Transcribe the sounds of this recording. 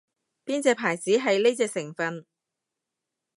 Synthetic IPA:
piː˥nt͡sɛː˧pʰaː˨˩jt͡siː˨˥ɦɐ˨jne˥jt͡sɛː˧k̚sɪ˨˩ŋfɐ˧n

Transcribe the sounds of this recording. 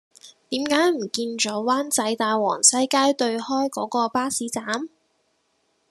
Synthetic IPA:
t̪iː˨˥mkaː˨˥jm̩˨˩kiː˧nt͡ʃɔː˨˥waː˥nt͡sɐ˨˥jt̪aː˨jwɔ̰ː˨˩ŋsɐ˥jkaː˥jt̪ɵ˧ɥhɔː˥jkɔː˨˥kɔː˧paː˥siː˨˥t͡saː˨˥m

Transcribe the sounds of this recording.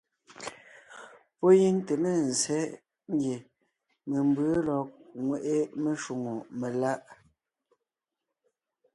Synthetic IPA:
pɔ˦ji˦ŋte˨me˦˨n̩˨zɛ˦ | ŋ˦ɡje˨ | me˨m˦bə˦lɔ˨k̚ŋwe˨ʔe˦me˨ʃwu˨ŋo˨me˨la˦ʔ

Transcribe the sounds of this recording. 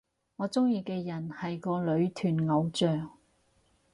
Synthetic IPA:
ŋɔː˨˧t͡sʊ˥ŋjiː˧kɛː˧jɐ˨˩nhɐ˨jkɔː˧lɵ˨˧ɥt̪ʰyː˨˩nŋɐ˨˧wt͡ʃœː˨˩ŋ

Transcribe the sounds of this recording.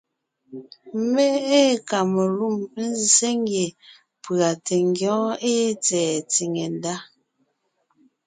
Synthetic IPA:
m˦be˦e˦ka˨me˨lu˦˨m˦n̩˦zi˨se˦ŋ˦ɡje˨ | pɰa˨te˨ŋ˦ɡjɔ̃˨˦e˦t͡sɛː˨t͡si˨ŋe˨nda˦

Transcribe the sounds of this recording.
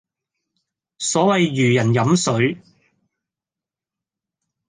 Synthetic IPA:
sɔː˨˥wɐ˨jːyː˨˩jɐ˨˩njɐ˨˥msɵ˨˥ɥ

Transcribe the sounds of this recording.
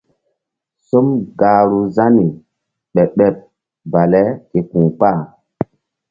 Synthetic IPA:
so˦mɡaː˨ɾu˨za˦ni˨ | ɓɛ˨ɓɛ˦p̚ | ba˨lɛ˦ke˨kũ˨k͡pa˦˨

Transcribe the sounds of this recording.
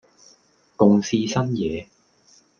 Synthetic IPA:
kʊ˨˧ŋsiː˧sɐ˥njɛː˨˧

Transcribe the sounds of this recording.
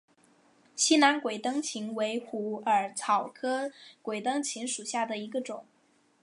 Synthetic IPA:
ɕi˥na˧˥nkwe˨˩ɪt̪ɤ˥ŋt͡ɕʰi˧˥ŋwe˧˥ɪxu˧˥ə˞˨˩t͡sʰɑ˨˩ʊkʰɤ˥kwe˨˩ɪt̪ɤ˥ŋt͡ɕʰi˧˥ŋʂu˨˩ɕja˥˩d̪ə˩i˧˥ɡə˧ʈ͡ʂʊ˨˩˦ŋ

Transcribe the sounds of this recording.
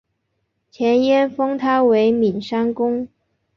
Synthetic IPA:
t͡ɕʰjɛ˧˥njɛ˥nfɤ˥ŋt̪ʰa˥we˧˥ɪmi˨˩nʂa˥nkʊ˥ŋ

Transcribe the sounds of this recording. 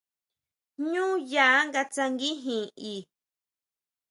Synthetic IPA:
ɲũː˦ja˨˦ŋɡa˧t͡sa˧ŋɡi˦ɦĩ˨iː˨

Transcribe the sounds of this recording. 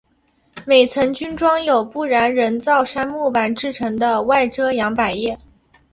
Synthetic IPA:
me˨˩ɪt͡sʰɤ˧˥ŋt͡ɕy˥nʈ͡ʂwɑ˥ŋjo˨˩ʊpu˥˩ɻa˧˥nɻə˧˥nt͡sɑ˥˩ʊʂa˥nmu˥˩pa˨˩nʈ͡ʂɻ̩˥˩ʈ͡ʂʰɤ˧˥ŋd̪ə˧wa˥˩ɪʈ͡ʂɤ˥jɑ˧˥ŋpa˨˩ɪjɛ˥˩

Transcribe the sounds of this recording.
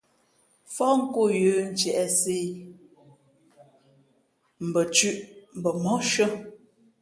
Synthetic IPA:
fɔ˦ŋ̩˦ko˦˨jʉː˨˦n̩˦t͡ʃjɛ˨ʔɛ˨se˦˨ | m̩˨bə˨t͡ʃʉ˦ʔm̩˨bə˨mɔ˦ʃə˦

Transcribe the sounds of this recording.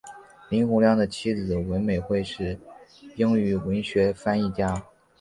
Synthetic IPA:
li˧˥nxʊ˧˥ŋljɑ˥˩ŋd̪ə˩t͡ɕʰi˥d͡zɹ̩˨˩wə˧˥nme˨˩ɪxwe˥˧ɪʂɻ̩˥˩pi˥ŋy˧˥wə˧˥nɕɥɛ˧˥fa˥ni˥˩t͡ɕja˥

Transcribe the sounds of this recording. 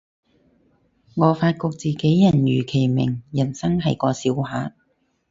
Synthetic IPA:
ŋɔː˨˧faː˧t̚kʊ˧k̚t͡siː˨ke˨˥jjɐ˨˩njyː˨˩kʰe˨˩jmɪ̰˨˩ŋjɐ˨˩nsɐ˥ŋɦɐ˨jkɔː˧siː˨˧˥wɦaː˨˧˥

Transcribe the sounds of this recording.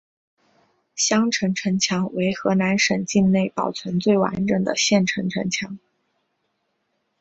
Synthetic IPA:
ɕjɑ˥ŋʈ͡ʂʰɤ˧˥ŋʈ͡ʂʰɤ˧˥ŋt͡ɕʰjɑ˧˥ŋwe˧˥ɪxɤ˧˥na˧˥nʂə˨˩nt͡ɕi˥˧nne˥˩ɪpɑ˨˩ʊt͡sʰwə˧˥nt͡swe˥˩ɪwa̰˧˥nʈ͡ʂə˨˩ŋd̪ə̰˩ɕjɛ˥˩nʈ͡ʂʰɤ˧˥ŋʈ͡ʂʰɤ˧˥ŋt͡ɕʰjɑ˧˥ŋ

